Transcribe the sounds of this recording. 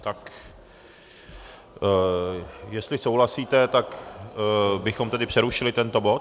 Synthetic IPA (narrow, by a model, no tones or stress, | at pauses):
t̪ak | jɛst̪lɪso̞wlasiːt̪ɛt̪ak | bɪxo̞mt̪ɛdɪpr̥ɛɾuʃɪlɪt̪ɛnt̪o̞bo̞t̪